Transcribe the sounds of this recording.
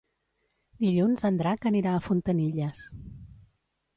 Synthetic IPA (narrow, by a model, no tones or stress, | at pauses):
d̪iʎunzənd̪ɾakəniɾaːfunt̪əniʎəs